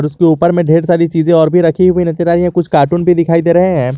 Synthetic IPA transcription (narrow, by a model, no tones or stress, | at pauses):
ɔːɾʊskeuːpəɾmẽɖʱeːɾsaːɾit͡ʃiːzẽɔːɾbʱiɾɐkʰiɦʊinɐt̪eɾaːɾiɛ̃kʊt͡ʃʰkaːɾʈuːnbʱid̪ɪkʰaːid̪eːɾɐɦeɦɛ̃ː